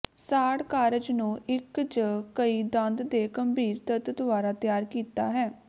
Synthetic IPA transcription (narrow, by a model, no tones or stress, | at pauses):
saːɽkaːɾəd͡ʒnũːʔɪkt͡ʃəkəiːd̪ə̃nd̪d̪eːkəmbiːɾt̪ət̪t̪ʊʋaːɾaːt̪jaːɾkiːt̪aːɦɛː